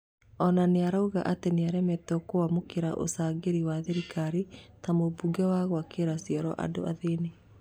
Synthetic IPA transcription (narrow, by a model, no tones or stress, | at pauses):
ɔnaneaɾauɣa̰ʔateneaɾɛmɛtɔkoamokeɾa̰ʔo̰saːɡeɾiwaðeɾikaɾitamobuɡɛwaɣoakʰeɾasiɔɾɔ̰ʔa̰do̰ʔa̰ðene